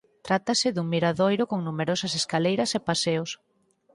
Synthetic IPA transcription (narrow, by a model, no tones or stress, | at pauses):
t̪ɾat̪ɐsɪðuŋmiɾaðojɾʊkoŋnumeɾosɐseskalejɾɐsepaseos